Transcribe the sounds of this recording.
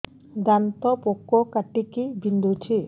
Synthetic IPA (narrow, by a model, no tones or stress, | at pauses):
d̪ant̪ɔpokːɔkaʈikibind̪ut͡ʃʰi